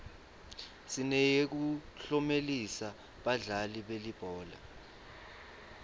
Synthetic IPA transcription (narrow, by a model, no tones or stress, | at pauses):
sinɛjek̬uɬɔmelisa | ɓaɮaliɓelib̥ʱɔːla̰